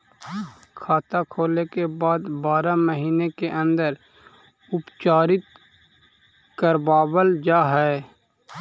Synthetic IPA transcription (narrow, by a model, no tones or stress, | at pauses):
kʰaːt̪akʰoːlekebaːd̪baːɾaməɦiːnekeʔə̃nd̪əɾ | ʊpt͡ʃaːɾɪt̪ | kəɾbaːwəld͡ʒaːɦɛː